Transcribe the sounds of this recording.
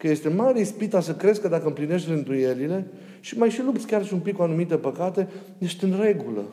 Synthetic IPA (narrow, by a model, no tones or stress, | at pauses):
kəje̞st̪e̞majɾispit̪asəkɾe̞zkəd̪akəmpline̞ʃt̪ʲlɨnd̪uje̞lile̞ | ʃimajʃilupt̪sʲkʲarʃiumpikːuanumit̪epəkat̪e̞ | neʃt̪ɨnre̞ɡulə̰